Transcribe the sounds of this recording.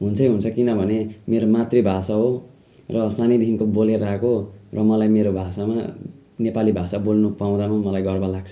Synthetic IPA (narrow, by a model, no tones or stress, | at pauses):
ɦunt͡sʰʌjɦunt͡sʰʌkinʌbʱʌnemeɾomat̪ribʱasaɦo | rʌsanid̪ʱinkoboleɾakorʌmʌlajmeɾobʱasama | nepalibʱasabolnopaw̃d̪amamʌlajɡʌrbalaɡ̚t͡sʰʌ̥